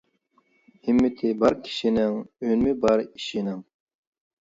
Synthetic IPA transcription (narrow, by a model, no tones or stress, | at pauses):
hɪmːɪt̪ʰɪbɑɾkʲʰi̥ʃinɪŋønmɪbɑɾiʃinɪŋ